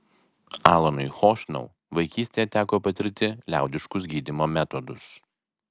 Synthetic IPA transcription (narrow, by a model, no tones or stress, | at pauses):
ɑːlˠɐnʊɪxoːʃʲnʲɐ̰ʊ | ʋɐɪkʲiːsʲt̪ʲeːjɛt̪ʲæːkoːpɐt̪ʲɪɾʲt̪ʲɪlʲæ̰ˑʊd̪ʲɪʃkʊsɡʲiːd̪ʲimoːmʲɛt̪ɔd̪ʊs